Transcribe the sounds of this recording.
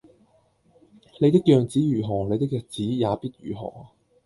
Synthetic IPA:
ne˨˧jt̪ɪ˥k̚jœː˨˧ŋt͡siː˨˥jyː˨˩ɦɔː˨˩le˨˧jt̪ɪ˥kjɐ˨t͡siː˨˥jaː˨˧piː˥t̚jyː˨˩ɦɔ̰ː˨˩

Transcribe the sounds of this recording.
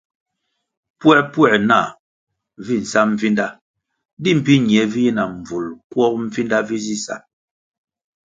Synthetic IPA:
pɛ˦˨pwɛ˦˨na̰˦˨ | vi˦˨n̩˨sa˦m̩˦fi˦nda˦ | di˦˨m̩˨pi˦ɲi˨ɛ˨˦vi˦ji˦na˨m̩˨b͡vu˨lkwɔ˦k̚m̩˦fi˦nda˦vi˦zi˦sa̰˦

